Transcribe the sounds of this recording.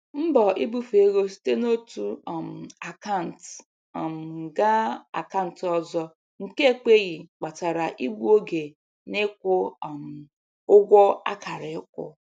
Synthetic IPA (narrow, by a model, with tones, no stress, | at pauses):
m̩˦bɔ˨ʔi˦bu˦fe˨ɣo˦si̥˦te˦no˦tu˦˨m̩˨a˨ka˦˨n̩˨t | m˨ɡa˦a̰˨ka˦˨n̩˨tɔ˦zɔ˦ | ŋ̩˨ke˦˨k͡pe˦ɣɪ˨k͡pa˨ta˨ɾa˨ʔi˦ɡ͡bu˦o˦ɡe˨ | ne˦kʷʊ˦˨m̩˨ | ʊ˦ɡʷɔ˦a̰˦ka˨ɾɪ˨ɪ˦k̚ʷʊ̰˦